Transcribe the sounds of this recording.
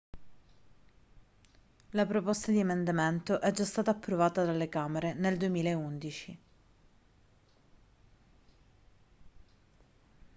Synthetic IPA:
lapɾopost̪ad̪iemend̪ament̪oʔɛd͡ʒːast̪aːt̪aːpːɾovaːt̪ad̪alːekaːmeɾeneld̪uemiːlaeund̪it͡ʃi

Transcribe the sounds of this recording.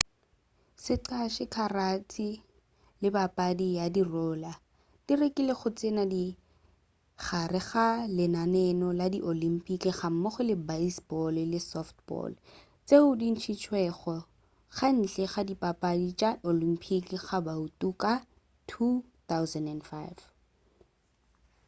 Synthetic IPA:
sɪǃaʃɪkʰarat͡sʰi | lɪbapʼadijadirɔːla | d̥irekʼileχʊt͡sʼenadi | χarɪχalɪnanɛnɔladiʔolim̩pʼikiχam̩maχʊlɪbaisbɔlɪlɪsɔftbɔ̰l | t͡seʊdin̩t͡ʃʰit͡ʃʰwɛχɔ | χan̩t͡ɬʼɛχadipapʼadit͡ʃʼaʔolim̩pʰʼikiχabautʼuka | tʰu | θawzɛndɛnfaɪv

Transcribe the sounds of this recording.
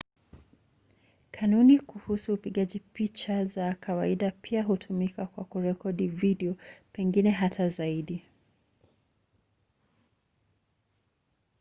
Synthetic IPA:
kʰanunikuhusuːpiɠaʄipit͡ʃazakʰawaiɗapʰiaɦutʰumikakwakuɾɛkɔɗiviɗiɔpɛŋɡinɛɦatazaiɗi

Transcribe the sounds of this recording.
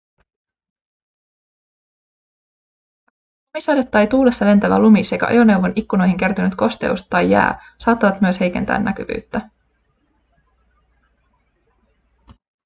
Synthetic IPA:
omisɑjdet̪ːɑjt̪uːle̞sːɑle̞nt̪æʋæ̰lumise̞kæ̰ʔo̰jone̞wʋo̞nikːuno̞jɦiŋk̟e̞rt̪ynyt̪ko̞st̪ḛṵst̪t̪ɑjːæ̰ː | sɑːt̪ːɑʋɑt̪myøshe̞jke̞nt̪æ̰ːnːæk̟y̰ʋy̰ːt̪ːæ

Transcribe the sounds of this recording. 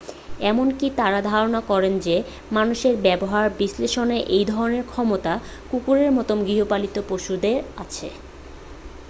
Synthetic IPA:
ɛmonkit̪aɾad̪ʱaɾonakɔɾend͡ʑe | manuʃeɾbɛboɦaɾbisleʃoneʔejd̪ʱɔɾoneɾkʰɔmot̪a | kukuɾeɾmɔt̪omɡɾiɦopalit̪opoʃud̪eɾat͡ɕʰḛ

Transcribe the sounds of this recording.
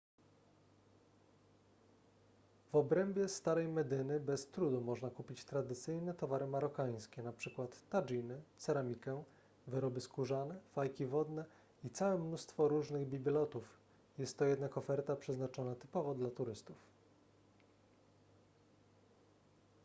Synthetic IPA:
vɔbɾɛmbʲjɛst̪aɾɛjmɛd̪ɘnɘbɛst̪ɾud̪umɔʐnakupʲit͡ɕt̪ɾad̪ɘt̪sɘjnɛt̪ɔvaɾɘmaɾɔkaj̃skʲɛnapʂɘkwat̪ːaʐinɘt̪saɾamʲikɛ | vɘɾɔbɘskuʐanɛfajkʲivɔd̪nɛ | it̪sawɛmnust̪fɔɾuʐnɘɣbʲibʲilɔt̪uf | jɛst̪ːɔjɛd̪nakɔfɛɾt̪apʂɛznat͡ʂɔnat̪ɘ̥pɔvɔd̪lat̪uɾɘst̪uf

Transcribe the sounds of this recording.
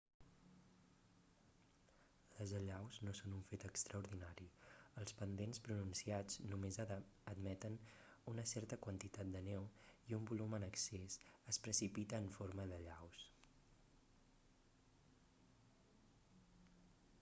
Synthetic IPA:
ləzəʎawznosonuɱfet̪əkst̪ɾəuɾðinaɾiəlˠspənd̪enspɾununsiad͡znumezəd̪mɛt̪ənunəsɛrt̪əkwənt̪it̪at̪̚d̪ənewiumbulumənəksesəspɾəsipit̪əːɱfoɾməðəʎaws

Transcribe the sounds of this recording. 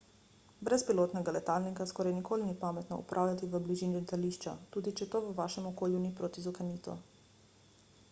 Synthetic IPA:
bɾɛspiloːt̪nɛɡalɛt̪alnikaskɔːɾajnikʰoːlinipaːmɛt̪nɔ̰ṵpɾʔaːwljat̪iʋəbliʒiːnilɛt̪aliːʃt͡ʃa̰t̪uːd̪it͡ʃɛt̪oːʋəʋaːʃɛmɔkoːljunipɾoːt̪izukaniːt̪ṵ

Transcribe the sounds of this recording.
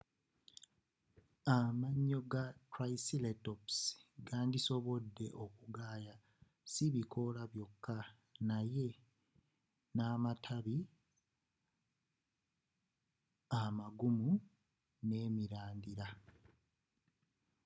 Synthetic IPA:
amaɲːo̞ɡatɾaisiletopsɡaːndiso̞βo̞dːe̞̰ʔokuɡaːja | siβikʰo̞laβjo̞kːa | naje̞ | naːmatʰaβi | amaɡumu | ne̞ːmiɾaːndiɾa

